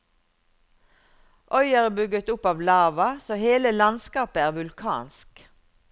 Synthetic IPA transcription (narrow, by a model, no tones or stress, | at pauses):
ʔœʏɑʁəbʏɡət̪ʊpɑːʋlɑːʋɑsoːheːləlɑnskɑːpəæːʁʋʉlkʰɑ̰ːnsk